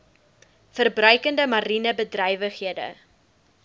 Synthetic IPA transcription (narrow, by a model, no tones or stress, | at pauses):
fərbrœɥkəndəmɐɾinəbədrœjvəχɦiədə̰